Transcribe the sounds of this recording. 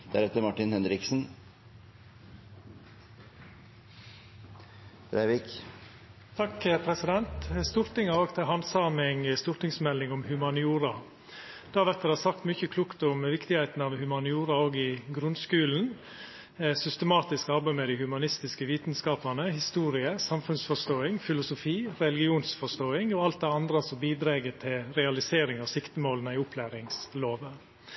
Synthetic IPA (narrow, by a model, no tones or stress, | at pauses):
d̪̥æ̰ɾɛt̪ːəmɑʈɪnhɛnɾɪksn̩ | ɾæɪʋɪk | t̪ʰɑkːəpʰɾɛsɪd̪ɛnt̪st̪uːɾt̪ɪŋɑoːɡt̪ʰɪɦɑnsɑːmɪŋəst̪uːɾt̪ɪŋsmɛlːɪŋʊmhʉmɑnɪuːɾɑ | d̪̥ɑːʋæɾt̪ɛd̪ɛhɑsɑkt̪mʏçəkʰlukt̪ʊmʋɪkt̪ɪɡhæɪt̪n̩ɑʋhʉmɑnɪuːɾɑoːɡɪɡɾʉnskʉːln̩ | sʏst̪əmɑːt̪ɪskɑɾbæɪmɛd̪ɪhʉmɑnɪst̪ɪskəʋiːt̪nskɑːpɑnəhɪst̪uːɾɪəsɑmfʉnsfɔʂt̪oːɪŋfɪlʊsʊfiːɾɛlɪɡɪuːnsfɔʂt̪oːɪŋɔɑlt̪̚d̪ɛɑnd̪ɾəsɔmbiːd̪ɾeːɡət̪ʰɪlɾɛɑlɪseːɾɪŋɑsɪkt̪əmoːlənəɪʊpʰlæːɾɪŋsloːʋə